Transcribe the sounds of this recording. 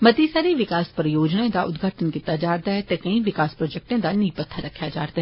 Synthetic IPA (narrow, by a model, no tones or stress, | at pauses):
mɐt̪ːisaːɾiʋɪkaːspɐɾjoːd͡ʒnaẽd̪aʔʊd̪ɡʱaːʈʰənkit̪ːad͡ʒaːɾt̪aɦɛt̪ekɐĩʋɪkaːspɾoːd͡ʒɛk̚ʈẽd̪aniːpət̪ʰːaɾɐkʰːjad͡ʒa̰ːɾt̪aɦɛ